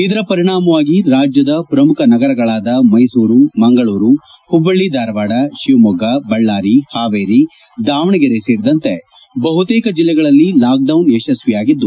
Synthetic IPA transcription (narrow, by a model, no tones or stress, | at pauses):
id̪ɐɾɐpɐɾiɳ̃aːmɐʋaːɡiɾaːd͡ʒjɐd̪ɐpɾɐmukʰɐnɐɡɐɾɐɡɐɭaːd̪ɐmɐjsuːɾumɐŋɡɐɭuːɾu | hubːɐɭːid̪aːɾɐʋaːɽɐʃiʋmɔɡabɐɭːaːɾihaːʋeːɾi | d̪aːʋɐɳiɡeɾeseːɾid̪ɐnt̪e̞ | bɐɦut̪eːkɐd͡ʒilːɛɡɐɭɐlːilaːk̚ɖɐwneːʃɐsʋijaːɡid̪ːu